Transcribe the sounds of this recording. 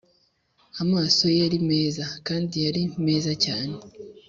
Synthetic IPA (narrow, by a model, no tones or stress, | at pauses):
amaːso̞jaɾime̞ːzakaːndijaɾime̞ːzacaːne̞